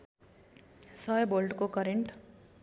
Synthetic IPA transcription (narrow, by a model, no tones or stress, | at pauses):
sʌjbolɖkokʌɾeɳʈ